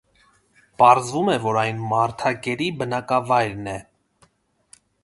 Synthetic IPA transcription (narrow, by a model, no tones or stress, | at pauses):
pɑɾzvumɛvɔɾɑjnmɑɾt̪ʰɑɡɛɾibənɑkɑvɑjɾnɛ